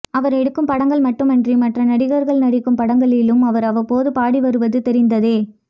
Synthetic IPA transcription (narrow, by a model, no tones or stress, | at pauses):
ɐʋɐɾɛɽɯkːɯmpɐɽɐŋɡɐɭmɐʈːɯmɛndrimɐʈrɐnɐɽɪɣɐɾɣɐɭnɐɽɪkːɯmpɐɽɐŋɡɐɭɪlɯmɐʋɐɾɐʋɐɾpoːðɯpaːɽiʋɐɾɯʋɐðɯt̪ɛɾɪnd̪ɐðeː